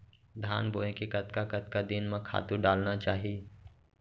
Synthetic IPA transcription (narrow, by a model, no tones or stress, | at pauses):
d̪ʱaːnboːẽkekɐt̪kakɐt̪̚kad̪ɪnmãkʰa̰ːt̪uɖaːlnat͡ʃaːɦie